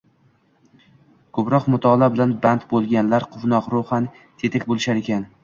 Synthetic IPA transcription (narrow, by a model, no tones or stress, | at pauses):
kʰɵpɾɒqmʊt̪ʰɒlˠabɪlanbant̪bolˠɡʲanlaɾqʰʊvnɒqɾohan | t̪ʰe̞t̪ʰakʲbolˠɪʃaɾekʲʰan